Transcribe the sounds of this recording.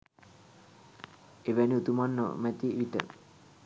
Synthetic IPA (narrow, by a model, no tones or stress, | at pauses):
eʋæniut̪umanːə̰mæt̪iʔiʈə̰